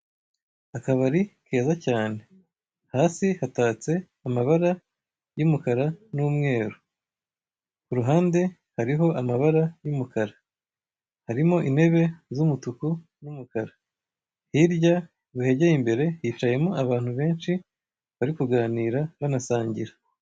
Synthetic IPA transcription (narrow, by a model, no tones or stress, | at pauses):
akaβaɾike̞ːzacaːne̞ | haːsihataːt͡se̞ | amaβaɾa | jumukaɾanuːmŋe̞ːɾo | kuɾuɦaːnde̞ | haɾiɦo̞ʔamaβaɾajumukʰaɾa | haɾimo̞ʔine̞βe̞zumutuku | numukaɾa | hiɾɟa | βuhe̞ɟejimbe̞ɾe̞jiːt͡ʃaje̞moaβaːn̥huβe̞ːnʃi | βaɾikuɡaːniːɾaβanasaːɲɟiɾa